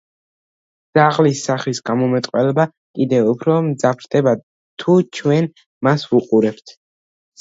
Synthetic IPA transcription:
d̪z̥aʁlisːaχisɡamɔmɛt̪ʼqʼwɛlɛba | kʼid̪ɛupʰɾɔmd̪zapʰɾd̪ʰʼɛba | t̪ʰut͡ʃʰwɛn | masvuqʼuɾɛp̚t̪ʰ

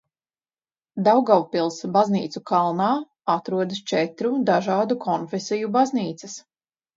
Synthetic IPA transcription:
d̪awɡawpilˠsbazniːt̪sukalˠnaː | at̪ɾuɔd̪ɨst͡ʃɛt̪ɾud̪aʒaːd̪ukʰɔnfesijubazniːt̪sɐs

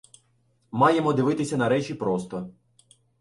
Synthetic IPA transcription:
mɑje̞mɔd̪ɪʋɪt̪ɪsʲɐnɐɾɛt͡ʃʲipɾɔst̪ɔ

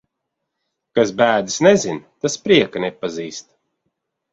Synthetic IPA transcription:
kasbæːd̪i̥snezint̪aspɾiɛkanepːaziːst̪

